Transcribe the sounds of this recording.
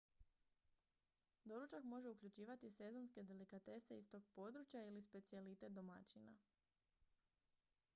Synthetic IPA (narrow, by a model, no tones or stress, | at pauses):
d̪o̞ɾut͡ʃakmo̞ʒe̞ukʎʲut͡ɕiːʋat̪ise̞zo̞nske̞d̪e̞likat̪e̞se̞ist̪o̞ːɡ̚po̞d̪ɾut͡ʃjailispe̞t̪sielit̪e̞t̪̚d̪o̞ma̰t͡ɕina̰